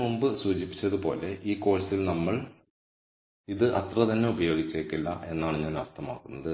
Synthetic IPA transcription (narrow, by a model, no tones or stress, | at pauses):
mumbɨsuːt͡ɕipːi̥t͡ɕːɐðupo̞ːle̞ʔiːko̞ːɻɐsilnɐmːɐɭ | iðɨʔɐt̪rɐt̪ɐnːe̞ubɐjo̞ːɡit͡ɕːeːkːilːɐ̰ʔe̞nːaːɳɨɲaːnɐrt̪ʰɐma̰ːkːunːɐðɨ